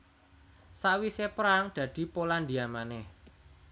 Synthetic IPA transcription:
sawisepəɾaŋd̪̥ä̤d̪̥i̤poland̪iamanɛh

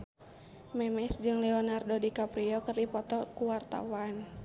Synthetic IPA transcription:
mɛmɛsd͡ʒɨŋlɛɔnardodikapɾiɔkɨrdipɔt̪ɔkuwart̪a̰wan

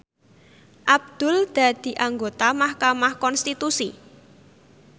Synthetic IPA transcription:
ʔab̚d̪̥ʊ̤ld̪̥a̤d̪̥i̤ʔaŋɡot̪amahkamahkɔnst̪it̪usi

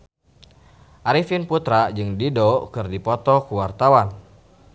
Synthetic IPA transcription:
ʔaɾifinput̪ɾad͡ʒɨŋdidɔkɨrdipɔt̪ɔkuwart̪awan

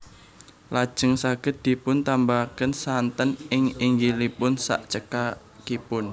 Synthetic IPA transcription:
lad̥ʒ̥əŋsaɡ̥əd̪̥i̤pʊnt̪ambakənsant̪ənʔɪŋɪŋɡilipʊnsa̰ʔt͡ʃəka | kipʊn

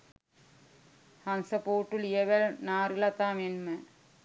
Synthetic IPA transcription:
hɐnsəpoːʈːulijeʋælnaːɾilat̪aːmenmə

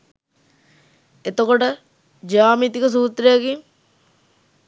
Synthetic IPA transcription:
et̪okoʈə | d͡ʒaːmit̪ikəs̬uːt̪ɾejakiŋ

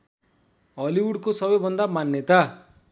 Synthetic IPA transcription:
ɦʌliwuɽkosʌbʌjbʱʌnd̪amanːjʌt̪a

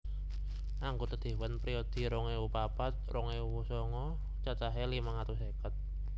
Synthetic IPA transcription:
ʔaŋɡut̪əd̪̥e̤wənpɾiod̪̥i̤ɾɔŋewupapat̪̚rɔŋewusɔŋɔ | t͡ʃat͡ʃaɦelimaŋat̪usekət̪̚

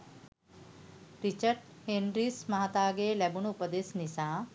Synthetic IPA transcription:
ɾit͡ʃɐɾɖhenɾiːsmɐɦɐt̪aːɡeːlɐbuɳupɐd̪eːsnisaː

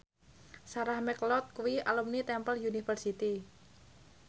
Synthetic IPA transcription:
saɾahmɛklɔt̪̚kuwiʔalumnit̪ɛmpəljunifərsit̪i

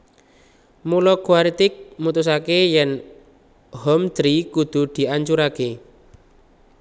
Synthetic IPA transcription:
mulɔkuaɾit̪ɪk̚mut̪us̬akejɛn | hɔmd̪̥ɾikud̪̥ṳd̪̥i̤aɲt͡ʃuɾake

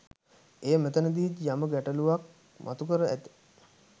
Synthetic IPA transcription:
eːmet̪ənəd̪iid͡ʒjaməɡæʈəluʋak̚ | mʔa̰t̪ukəɾəʔæt̪i̥

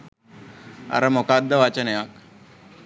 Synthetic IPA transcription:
a̰ɾɐmokad̪ʱːəʋat͡ɕənejak

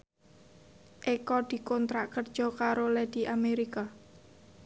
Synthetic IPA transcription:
ʔekɔd̪̥i̤kɔnt̪ɾaʔkərd̥ʒ̥ɔ̤kaɾolɛd̪̥iʔameɾika

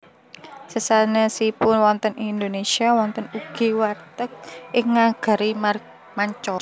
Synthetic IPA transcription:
səsanəsipʊnwɔnt̪ənind̪onesiawɔnt̪ənuɡ̥i̤wart̪ək̚ʔɪŋːaɡ̥ə̤ɾi | maɲt͡ʃɔ

